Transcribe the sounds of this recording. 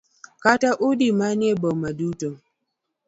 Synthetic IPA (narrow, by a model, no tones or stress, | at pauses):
kataʔudimanebomaduto